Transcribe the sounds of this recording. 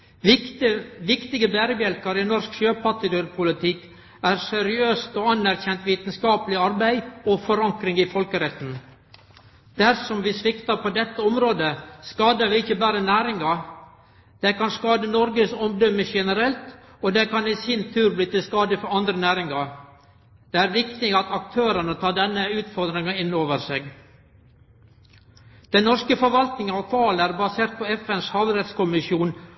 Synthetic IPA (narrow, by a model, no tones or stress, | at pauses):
ʋɪkt̪ɪɡəbæːɾəbjɛlkɑɾɪnɔɾskʃøːpʰɑʈ̪ɪd̪ʉɾpʰʊlɪt̪ʰɪkː | æːɾsɛɾɪøːst̪ɔːɑnæɾçɛnt̪ʋiːt̪nskɑːpəlɪɑɾbæɪɔfɔɾɑŋkɾɪŋɪfɔlkəɾɛt̪ːn̩ | d̪̥æɾsɔmʋɪsʋɪkt̪ɑpɔd̪ɛt̪ːəɔmɾoːd̪əskɑːd̪əʋɪɪçəbæːɾənæːɾɪŋɑ | d̪̥ɛkɑnskɑːd̪ənɔɾɡəsɔmd̪ɔməʃɛnəɾɛlt̪ | ɔd̪ɛkɑniːsɪnt̪ʰʉːɾbliːt̪ɪlskɑːd̪əfɔɾɑnd̪ɾənæːɾɪŋɑ | d̪̥ɛæːɾʋɪkt̪ɪɑt̪ɑk̚t̪ʰøːɾənət̪ʰɑːd̪ɛnːəʉːt̪fɔɾd̪ɾɪŋɑɪnːoːʋəɾseːɡ | d̪̥ɛnnɔʂkəfɔɾʋɑlt̪nɪŋənɑʋkʰʋɑːlæɾbɑseːɾt̪̚pʰɔɛfɛnshɑːʋɾɛt̪skʊmɪʃjuːn